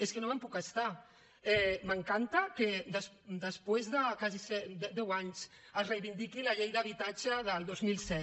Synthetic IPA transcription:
eskənoməmpukəst̪a | ɛməŋkant̪əkəd̪əs | d̪əspwezðəkazisɛd̪d̪ɛwaɲs | əsrəjβind̪ikiləʎejðəβit̪at͡ʃəðəlˠd̪ozmilˠsɛt̪

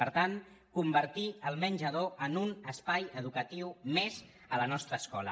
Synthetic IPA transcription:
pəɾt̪aŋ | kumbəɾt̪iəlˠmənʲd͡ʒəðoʔənunəspajəðukət̪iwmez | ələnɔst̪ɾəːskɔlə̰

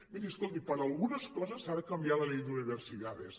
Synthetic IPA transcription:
miɾiəskolˠt̪ipəɾəlˠɣunəskɔzəsaðəkəmbialəlejd̪uniβ̞ərsiðaðḛs

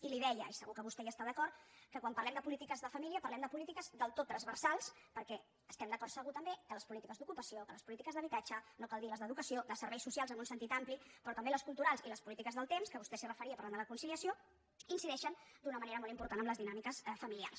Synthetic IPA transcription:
iliðɛjəisəɣukəβ̞ust̪ɛjəst̪aðəkɔrt̪kəkwampɐrlɛmd̪əpulit̪ikəzðəfəmiliəpərlɛmd̪əpulit̪ikəzd̪əlˠt̪ot̪ːɾənzβəɾsalˠspəɾkɛ | əst̪ɛmd̪əkɔrt̪səɣut̪əmbekələspulit̪ikəzd̪ukupəsiokələspulit̪ikəzðəβit̪ad͡ʒənokalˠd̪iləzðəðukəsiod̪əsəɾβɛjsusialˠzənunsənt̪it̪amplipɾɔt̪əmbeləskulˠt̪uɾalˠzḭləspulit̪ikəzðəlˠt̪emskəβust̪ɛsirəfəɾiəpaɾland̪ələkunsiliəsijo | insiðɛʃənd̪unəməneɾəmɔlˠimpuɾt̪anəmləzðinamikəsfəmilia̰rs

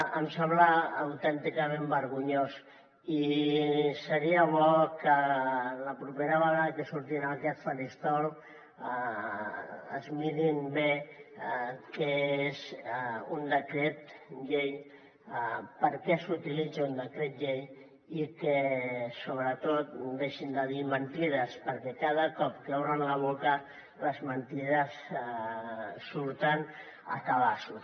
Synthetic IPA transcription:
əmsɛmblaːwt̪ɛnt̪ikəmẽmbəɾɣuɲos | i | səɾiəβ̞ɔkələpɾupeɾaβəɣaðəkəsuɾt̪inakɛt̪faɾist̪ɔl | ə̰zmiɾinbe | keezund̪əkɾet̪ʎej | pəɾkɛsut̪ilid͡zaund̪əkɾet̪̚ʎej | ikesoβɾət̪ot̪d̪eʃind̪əðimənt̪iðəspəɾkɛkaðəkɔp̚kəoɾənlaβ̞okə | ləzmənt̪iðəs | suɾt̪ən | ə̰kaβasu

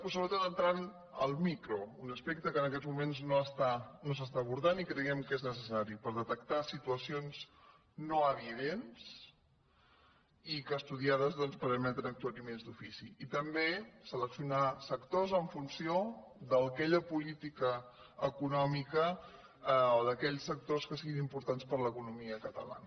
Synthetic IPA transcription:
pusəβɾət̪ot̪ənt̪ɾan | ə̰lˠmikɾounəspek̚t̪əkənəkɛd͡zmumenznoəst̪anos̬əst̪aːβ̞uɾðanikɾəɣɛmkeznəsəsaɾipəɾðət̪əkt̪asit̪uəsionz | noəβiðens | ikəːst̪uðiað̞əzðɔnspəɾəmɛt̪ənək̚t̪uaɾimenzd̪ufisiːt̪əmbesələksiunasəkt̪ozəɱfunsiod̪əlˠkɛʎəpulit̪ikə | əkunɔmikə | oðəkɛʎsːək̚t̪oskəsiɣinimpuɾt̪anspəɾləkunumiəkət̪ə̰la̰nə

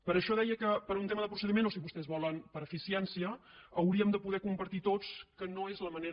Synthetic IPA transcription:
pəɾəʃɔðɛjəkəpəɾunt̪eməðəpɾusəðimenosiβust̪ɛzβɔlənpəɾəfisiɛnsiəːwɾiəmd̪əpuðɛkumpəɾt̪it̪ot͡skənoezləməneɾ

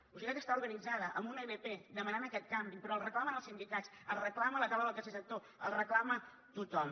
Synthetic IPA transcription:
usikak̪əst̪auɾɣənid͡zaðəʔəmbuneβeped̪əmənanəkɛt̪̚kambipɾɔəlˠrəklamənəlˠsind̪ikat͡səlˠrəklamələk̪aləðəlˠkəsesək̚t̪o | əlˠrəklamə | t̪ut̪ɔm

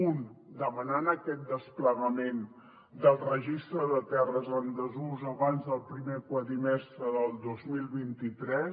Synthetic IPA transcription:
und̪əmənanəkɛt̪̚d̪əspləɣəmen | d̪əlˠrəʒist̪ɾəðət̪ɛrəzənd̪əzuzəβanzðəlˠpɾimekwaðimɛst̪ɾəðəlˠd̪ozmilˠβint̪it̪ɾɛs

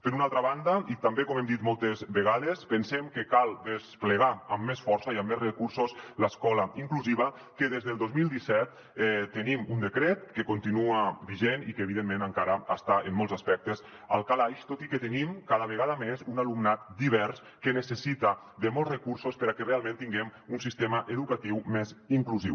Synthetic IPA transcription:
pəɾunalˠt̪ɾaβand̪ait̪ambekomemd̪it̪mɔlˠt̪ezβeɣaðespənsemkekalˠd̪espleɣaəmːesfɔɾsaiamːezrəkuɾsosləskɔlaiŋkluziβ̞a | keðezðelˠd̪ozmilˠd̪isɛt̪̚ | ɛt̪ːənimund̪ekɾet̪kekont̪inuabiʒenikeːβ̞iðemːẽnəŋkaɾaəst̪aʔemːɔlˠzaspɛk̚t̪əz | a̰lˠkalajʃt̪ot̪ikət̪ənimkaðəβeɣ̞aðamezunalumnat̪̚d̪iβ̞ɛɾs | kənəsesit̪a | d̪əmɔlzrekuɾsospəɾakerealˠmẽnt̪iŋɡɛmunsist̪emaʔeðukat̪iwmeziŋkluziw

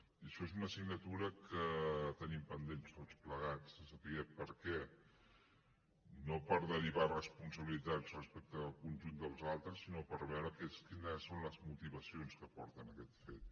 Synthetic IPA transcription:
iəʃɔezunəsiɡnət̪uɾəkət̪ənimpənd̪enst̪ot͡spləɣat͡sːəsəpiɛpəɾkɛ | nopəɾðəɾiβarəspunsəβilit̪ad͡zrəspɛk̚t̪əːlˠkunʲʒund̪əlˠzalˠt̪ɾəsːinopəɾβɛwɾəkɛskinəsːonləzmut̪iβəsionskəpɔɾt̪ənəkɛt̪fet̪

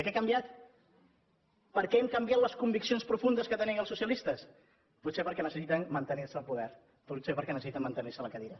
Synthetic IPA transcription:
əkɛkəmbjat̪ | pəɾkɛɛmkəmbjat̪ləskumbiksionspɾufund̪əskət̪əniəlˠsusiəlist̪əs | put̪sepəɾkɛnəsəsit̪ənmənt̪ənirsəːlˠpuðɛɾ | put̪sepəɾkɛnəssit̪əmːənt̪əniɾsələkəðiɾə

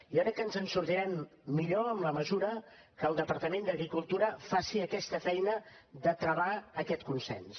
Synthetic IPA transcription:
ijokɾɛkːənzənsuɾt̪iɾɛmːiʎoəmləməzuɾə | kəlˠd̪əpəɾt̪əmend̪əɣɾikulˠt̪uɾəfasiəkɛst̪əfɛjnə | ðət̪ɾəβaəkɛt̪kunsɛ̰ns

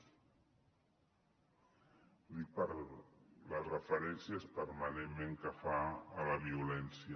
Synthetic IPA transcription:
ip | lərəfəɾɛnsjaespəɾmanemmẽŋkafaːləβiulɛnsjə

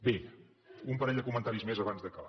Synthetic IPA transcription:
be | umpəɾɛʎʲd̪əkumənt̪aɾizmezəβanzðəkəla̰

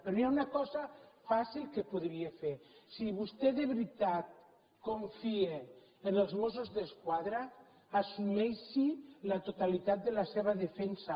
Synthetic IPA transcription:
peɾiaunakɔzafasilkepoðɾiefeɾsiβ̞ust̪eðeβɾit̪at̪̚ | koɱfieː | nelˠzmosuzðeskwaðɾaː | sumɛjʃilat̪ot̪alit̪at̪̚d̪elaseβ̞aðefɛnsa

